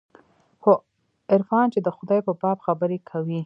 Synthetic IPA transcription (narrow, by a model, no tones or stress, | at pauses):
xo | ɪɾfɑnt͡ʃed̪əxʊd̪ɑjpəbɑbxabəɾekʰawi